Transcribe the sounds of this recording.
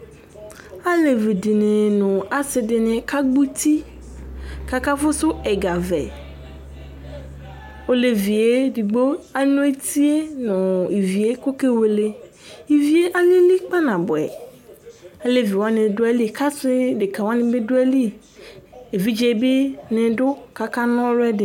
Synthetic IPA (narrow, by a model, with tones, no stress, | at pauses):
a˦le˨ve˨de˨nẽ˨nɔ̃˨a˨se˨de˨nẽ˨ka˦ɡ͡bu˦t̪i˦ | ka˨ka˦fo˦so˦e˨ɡa˨vḛ˨ | wo˦le˨vi˨e˦di˨ɡ͡bo˦a˨nũ˦e˦t̪i˦e˦nɔ̃˨i˨vi˨e˦ko˦ke˦we˨le˦ | i˨vi˨e˦ʔa˦ɲẽ˦li˦k͡pa˦nã˨bo˨ɛ̰˨ | e˦le˦vi˨wa˦nẽ˨do˦a˦li˦˨ka˦sɪ˦de˨ka˨wa˦nẽ˨be˦do˦ɛ˦li˦ | e˨vi˦d͡ʒe˨˦be˦nẽ˨ɖʊ˦ka˦ka˦nɔ̃˦lɛ˦dɪ˨